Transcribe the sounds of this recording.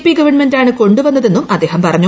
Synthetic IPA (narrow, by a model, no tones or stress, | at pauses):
piɡɐʋɐɳmendaːɳɨko̞ɳɖuʋɐnːɐðe̞nːumʔɐd̪ːe̞ːɦɐmpɐrɐɲːu